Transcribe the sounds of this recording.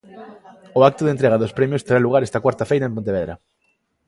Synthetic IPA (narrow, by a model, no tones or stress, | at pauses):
ʊak̚t̪ʊðent̪̬ɾeɣɐðospɾɛmjʊst̪eɾaluɣaɾɛst̪ɐkwaɾt̪ɐfejɾaẽmp̬õnt̪̬eβeðɾɐ̰